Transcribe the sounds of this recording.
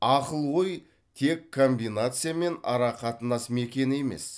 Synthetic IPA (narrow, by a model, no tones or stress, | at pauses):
ɑqəlˠwo̞j | t̪ʰe̞kʰːo̞mbijnat̪sɨjame̞nɑ̰ɾɑqʰɑt̪ənɑsme̞kʲe̞nɪe̞me̞̰s